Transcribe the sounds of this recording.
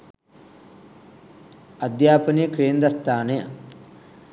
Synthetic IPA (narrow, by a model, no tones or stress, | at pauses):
ɐd̪jaːpɐnikɾeːnd̪ɐst̪ʰaːnejə